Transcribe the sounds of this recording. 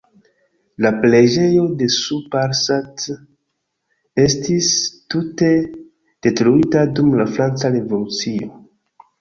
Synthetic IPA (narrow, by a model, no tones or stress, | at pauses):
lapled͡ʒe̞jo̞de̞supaɾsat | e̞stistute̞ | d̥e̞tɾuitadumlafɾant͡saɾevulut͡sio̞̰